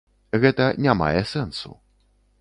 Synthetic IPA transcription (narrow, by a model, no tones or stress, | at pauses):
ɣɛt̪ɐnʲama̰jɛsɛnsṵ